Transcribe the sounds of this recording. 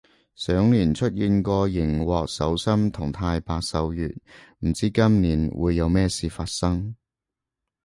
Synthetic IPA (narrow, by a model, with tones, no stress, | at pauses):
sœː˨˥ŋliː˨˩nt͡ʃʰɵ˥t̚jiː˧nkɔː˧jɪ˨˩ŋwɔː˨˧k̚sɐ̰˨˧˥wsɐ˥mt̪ʰʊ˨˩ŋt̪ʰaː˧jpaː˧k̚sɐ˨˧wjyː˨t̚m̩˨˩t͡siː˥kɐ˥mniː˨˥nwṵː˨˧jːɐ˨˧wmɛː˥siː˨˧faː˧t̚sɐ˥ŋ